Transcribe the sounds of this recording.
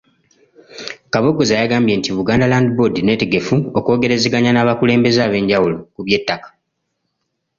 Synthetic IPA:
kaβoɡozajaɡaːmbje̞ːntiβuɡaːndalaːndibodine̞ːte̞ɡe̞fuoko̞ːɡe̞ɾe̞zeɡaɲanaːβakule̞ːmbe̞zaβe̞ːɲɟawulo̞kuβje̞tːakḁ

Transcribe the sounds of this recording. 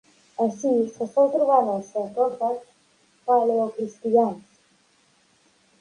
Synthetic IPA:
asisasowt̪ɾuβaðasat̪ɔfas | paleokɾist̪iʎans

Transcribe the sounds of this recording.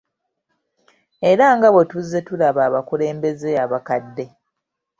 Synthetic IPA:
e̞ɾaŋɡaβetuzːe̞tulaβaːβakule̞ːmbe̞ze̞aβakadːe̞

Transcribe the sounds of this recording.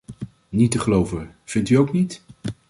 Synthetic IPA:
nitəχəlowvəv̥ɪntyowknit

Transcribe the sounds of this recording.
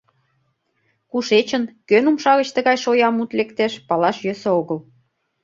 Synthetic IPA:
kuʃet͡ɕə̆nkønumʃɑɣə̆t͡ɕt̪ĕɣɑjʃojɑmut̪lekt̪eʃpɑlɑʃjøsəoɣəl

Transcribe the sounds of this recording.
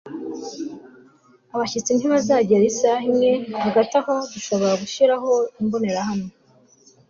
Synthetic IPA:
aβaçit͡sin̥hiβazaːɟeɾesahimŋe̞haɡatahoduʃo̞βo̞ɾaɡuʃiɾaɦo̞imbone̞ɾahamŋe

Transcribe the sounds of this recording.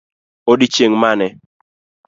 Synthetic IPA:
odit͡ʃeŋmanɛ

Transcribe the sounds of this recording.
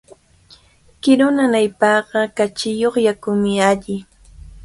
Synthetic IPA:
kɪɾʊnanajpɑːɢɑkat͡ʃɪjoχjakʊmɪaʎɪ

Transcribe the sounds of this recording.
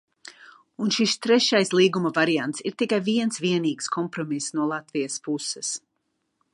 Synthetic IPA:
unʃist̪ɾɛʃajslˠiːɡumɐvaɾijant̪siɾt̪ikajviɛnsviɛniːɡskʰɔmpɾɔmisnuɔlˠat̪vijɐspusɛs

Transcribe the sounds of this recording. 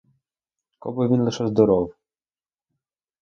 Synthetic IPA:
kɔ̰bɪʋʲinlˠɪʃɛzd̪ɔɾɔw

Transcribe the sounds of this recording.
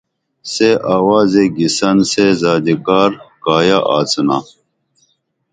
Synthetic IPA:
seʔaːwaːzeɡisɐnsezaːd̪ikaːɾkaːjaʔaːt͡sna̰

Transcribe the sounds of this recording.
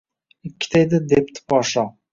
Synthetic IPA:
ɪkʲːɪ̥t̪ʰajd̪ɪd̪ep̚t̪ʰɪ̥pɒʃɒ

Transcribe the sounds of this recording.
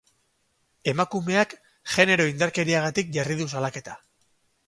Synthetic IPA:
e̞makume̞ak | ʝe̞ne̞ɾo̞ind̪aɾke̞ɾiaɣ̞at̪ik̚ʝariðus̬alake̞t̪ḁ

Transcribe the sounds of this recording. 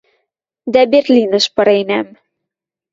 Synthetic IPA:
d̪æberlʲinə̆ʃpɤ̆ɾenæm

